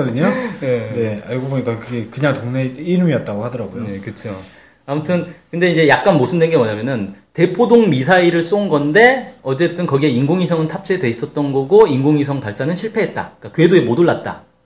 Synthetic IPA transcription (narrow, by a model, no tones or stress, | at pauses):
kʌdɯɲoene̞a̰ɭɡoboɲik͈akɯɡe̞kɯɲaŋtoŋneiɾɯmiʌt̚t͈aɡohadʌɾaɡojoonekɯt͡ɕʰo | amutʰɯnkɯnde̞ind͡ʑe̞jak̚k͈anmosʰɯndwenɡe̞mwʌɲamjʌnɯnte̞pʰodoŋmisʰaiɾɯɭs͈onɡʌnde̞ʌt͡ɕe̞t͈ɯnkʌɡie̞inɡoŋisʰʌŋɯntʰap̚t͡ɕ͈ʰeedwe̞is͈ʌt̚t͈ʌnɡʌɡoinɡoŋisʰʌŋpaɭs͈anɯnɕʰiɭpʰe̞ɦe̞t̚t͈a̰k͈akɯedoemodoɭːat̚t͈a̰